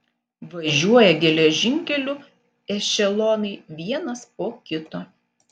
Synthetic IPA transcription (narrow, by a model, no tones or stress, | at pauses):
ʋɐʒʲuɔjɛɡʲɛlʲɛʒʲɪŋʲkʲɛlʲʊ | ɛʃʲɛlˠoːnɐɪʋʲiɛnɐspoːkʲɪt̪oː